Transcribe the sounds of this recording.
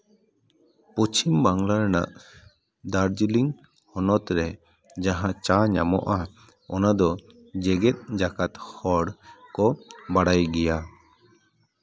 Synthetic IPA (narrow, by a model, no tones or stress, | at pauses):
pot͡ʃimbaŋlaɾna̰ʔ | d̪aɾd͡ʒiliŋ | hɔnɔt̪ɾɛ | d͡ʒaɦãt͡ʃaɲamɔ̰ʔa | ɔnad̪ɔ | d͡ʒɛɡɛt̪̚ˀd͡ʒakat̪hɔɽkɔbaɽajɡɛja